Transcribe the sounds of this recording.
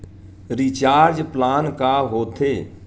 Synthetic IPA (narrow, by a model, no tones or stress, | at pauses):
ɾiːt͡ʃaːɾd͡ʒplaːnkaːɦoːt̪ʰeː